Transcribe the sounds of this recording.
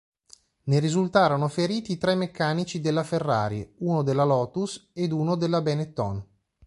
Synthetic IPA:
neɾizult̪aːɾanofeɾiːt̪iːt̪ɾɛmːekːaːnit͡ʃid̪elːaferːaːɾḭuːnod̪elːalɔːt̪used̪uːnod̪elːabɛnet̪ːɔ̰n

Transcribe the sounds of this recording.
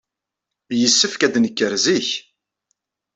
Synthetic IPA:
jəsːəfkæd̪nəkːəɾziç

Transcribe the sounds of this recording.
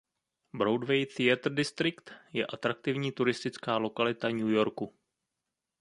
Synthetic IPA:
bɾowdvɛjθɪat̪r̩dɪst̪ɾɪkt̪jɛʔat̪ɾak̚t̪ɪvɲiːt̪uɾɪst̪ɪt͡skaːlo̞kalɪt̪aɲujo̞ɾku

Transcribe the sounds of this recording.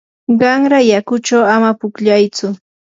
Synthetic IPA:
ɢɑŋɾajakʊt͡ʃawamapʊkʎajt͡sʊ

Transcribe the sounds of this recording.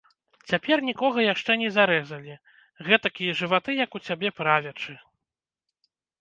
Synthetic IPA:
t͡sʲapʲɛrnʲikɔɣɐjaʂt͡ʂɛnʲɛzaɾɛzɐlʲi | ɣɛt̪akʲijɛʐɨvat̪ɨjɐkut͡sʲabʲɛpɾavʲɛt͡ʂɨ

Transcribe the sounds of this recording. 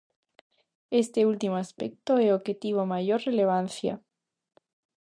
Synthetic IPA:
est̪eult̪imoaspek̚t̪oeoxet̪iβ̞omaʝoɾreleβ̞an̟θja̰

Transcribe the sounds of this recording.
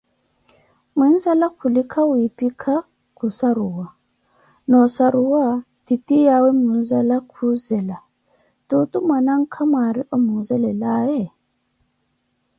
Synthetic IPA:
min̩zalakʰulikʰawipikʰa | kusaɾuwa | nɔsaɾuwa | titijawɛmun̩zalakʰuzɛla | tutumanaŋ̩kʰamaɾiʔɔmuzɛlɛlajɛ

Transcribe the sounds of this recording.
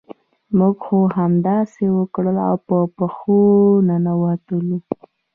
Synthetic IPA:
muɡxoɦamd̪ɑsewəkɽəla̰wpəpəxonanawɑt̪əlu

